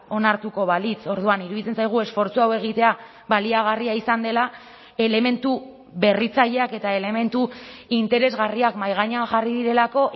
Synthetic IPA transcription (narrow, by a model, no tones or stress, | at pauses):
o̞naɾt̪uko̞β̞alit͡so̞ɾð̞uaniɾuðit͡se̞nsajɣ̞ue̞sfo̞ɾt͡suawe̞ɣ̞it̪e̞a | βaliaɣ̞ariaisand̪e̞la | e̞le̞me̞nt̪u | βe̞rit͡saʎe̞ake̞t̪ae̞le̞me̞nt̪uint̪e̞ɾe̞zɣariakmajɣ̞aɲaxariðiɾe̞lako̞ʔ